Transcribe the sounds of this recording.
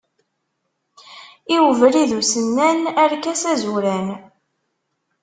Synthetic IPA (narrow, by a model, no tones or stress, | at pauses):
iwəvɾiðusənːænæɾkæsæzuɾæn